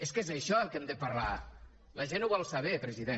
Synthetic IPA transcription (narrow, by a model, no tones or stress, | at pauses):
eskezəʃɔəkɛmd̪əpaɾla | lɐʒenuβɔlˠsəβɛpɾəziðe